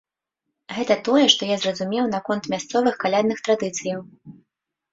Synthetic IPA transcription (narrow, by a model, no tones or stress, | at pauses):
ɣɛt̪ɐt̪ɔjɛʂt̪ɔjazrɐzumʲɛwnakɔnt̪mʲast̪sɔvɨxkalʲad̪nɨxt̪ɾad̪ɨt̪sɨjɐw